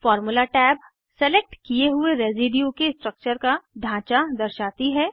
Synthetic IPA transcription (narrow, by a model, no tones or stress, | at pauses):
fɔːɾmulaʈɛːb | sɛleːk̚ʈkieɦʊeɾeːziːɖijukesʈɾək̚t͡ʃəɾkaɖʱãːt͡ʃad̪ɐɾʃaːt̪iɦɛː